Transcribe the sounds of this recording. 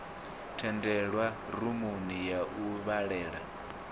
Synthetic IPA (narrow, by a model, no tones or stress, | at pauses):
tʰɛndɛɺwaɾumunijaʔuβaɺɛːɺa